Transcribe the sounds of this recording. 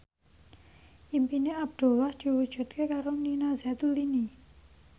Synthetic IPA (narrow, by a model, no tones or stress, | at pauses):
ʔimpineab̚d̪̥o̤lahd̪̥i̤wud̥ʒ̥ṳt̪̚kekaɾoninazat̪ulini